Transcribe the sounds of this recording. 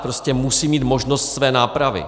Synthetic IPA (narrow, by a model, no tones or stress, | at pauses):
pɾo̞scɛmusiːmiːt̪mo̞ʒno̞st̪svɛːnaːpɾavɪ̰